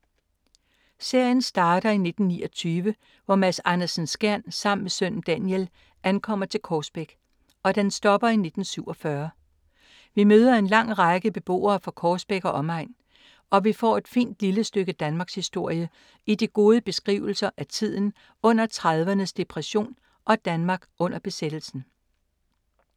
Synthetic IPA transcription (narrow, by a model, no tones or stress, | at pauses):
se̝ɐ̰jənsd̥ɑ̈ːɾ̥ɐine̝d̥n̩niːɒ̽t͡sʰyːʋə | ʋɒmæsɑnɐsnsɡ̥æɐ̰nsɑ̈m̰nmesøn̰n̩d̥ænjel | ʔænkʰɒ̽m̰ɐt͡sʰe̝lkʰɒːsb̥eɡ̥ | ɒ̽d̥ensd̥ɒ̽b̥ɐine̝d̥n̩syʊ̰ɒ̽fɶɐ | ʋimøːð̞ˠɐe̝nlɑ̈ŋ̰ʁɑɡ̥əb̥e̝b̥o̝̰ːɐːfɒ̽kʰɒːsb̥eɡ̥ɒ̽ʔɒ̽mɑ̈ɪ̰n | ɒ̽ʋifɒ̰ːe̝d̥fḭːnd̥liləsd̥øɡ̥əd̥ænmɑ̈ːɡ̥shisd̥o̝ɐ̰jə | id̥iɡ̥o̝ːð̞ˠəb̥e̝sɡ̥ʁḭːʊl̩sɐʔæt͡sʰið̞̰ˠn̩ | ɔ̽n̰ɐt͡sʰʁɑðˠʋɐnəsd̥e̝pʰʁɛɕo̝̰ːn | ʔɒ̽d̥ænmɑ̈ːɡ̥ɔ̽n̰ɐb̥e̝sed̥l̩sn̩